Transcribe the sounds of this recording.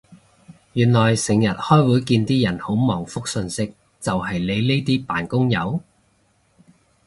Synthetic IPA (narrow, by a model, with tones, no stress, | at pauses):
jyː˨˩nlɔː˨˩jsɪ˨˩ŋjɐ˨t̚hɔː˥jwuː˨˥jkiː˧nt̪iː˥jɐ˨˩nho˨˥wmɔː˨˩ŋfʊ˥k̚sɵ˧nsɪ˥k̚ | t͡sɐ˨wɦɐ˨jle˨˧jleː˥t̪iː˥paː˨˩nkʊ˥ŋjɐ˨˧w